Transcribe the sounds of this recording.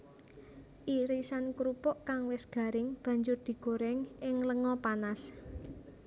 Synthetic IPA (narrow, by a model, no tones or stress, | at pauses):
ʔiɾisankɾupɔʔkaŋwɪsɡ̥ä̤ɾɪŋb̥ä̤ɲd͡ʒʊrd̪̥i̤ɡ̥o̤ɾɛŋɪŋləŋɔpanas